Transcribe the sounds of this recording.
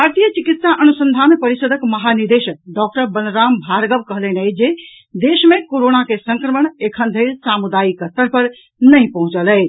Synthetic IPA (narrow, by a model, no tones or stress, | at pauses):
əɾt̪ijət͡ʃikit̪saʔənusənd̪ʱanpəɾisəd̪ʱəkməɦaniɾd̪eʃək̚ɖɔk̚ʈəɾbənɾambʱaɾɡəbkəɦlenɛd͡ʒe | d̪esmekoɾonakesəŋkɾəməɳ̃ekʰənd̪ʱelsamud̪aikət̪əɾpəɾ | nəjpəɦũt͡ʃəlɛ